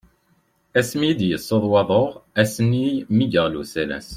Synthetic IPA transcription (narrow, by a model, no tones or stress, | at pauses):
æsmijd̪jəsːoðˤwɑðˤoʁæsənːijmiɡəʁlṵsælæ̰s